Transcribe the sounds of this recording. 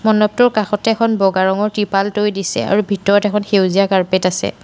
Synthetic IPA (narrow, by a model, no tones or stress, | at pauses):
mɔnɔp̚tɔɹkaxɔtɛɛkʰɔnbɔɡaɹɔŋɔɹtɹipaltojdisɛ̰a̰ɹubʱitɔɹɔtɛkʰɔnxewzijakaɹpetasɛ̰